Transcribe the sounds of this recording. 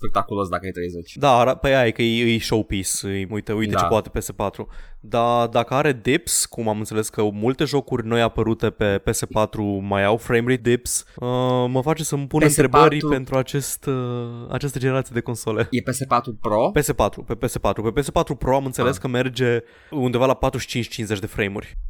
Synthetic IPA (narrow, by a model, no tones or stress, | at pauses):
pek̚t̪akulosd̪akəajt̪ɾejzet͡ʃʲd̪aːɾapəjaijkəejɨjʃowpisɨjmujt̪əujt̪et͡ʃepoat̪e̞̥pe̞se̞pat̪ɾud̪ad̪akəaɾe̞d̪ipskumamɨnt̪se̞leskəmult̪e̞ʒo̞kurʲno̞japəɾut̪e̞pe̞pe̞se̞pat̪ɾumajawfɾejmɾid̪ipsəməfat͡ʃe̞səmpunɨnɾe̞bərʲpe̞nt̪ɾuat͡ʃe̞st̪a̰t͡ʃast̪əd͡ʒeneɾat̪sijed̪e̞ko̞nsole̞epesepat̪ɾupɾope̞se̞pat̪ɾupe̞pese̞pat̪ɾupe̞pe̞se̞pat̪ɾupɾo̞amɨnt̪se̞le̞skəme̞rd͡ʒe̞ | und̪e̞valapat̪ɾuʃi̥t͡ʃint͡ʃʲt͡ʃinze̞t͡ʃʲd̪e̞fɾejmurʲ